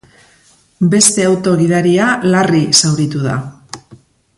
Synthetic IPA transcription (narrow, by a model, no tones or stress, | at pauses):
be̞st̪e̞awt̪o̞ɣiðaɾialarisawɾit̪uða̰